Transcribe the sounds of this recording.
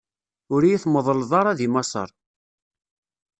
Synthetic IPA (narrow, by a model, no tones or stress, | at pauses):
ʊɾijiθməðˤəlðˤɑɾˤɑðimɑsˤə̰ɾˤ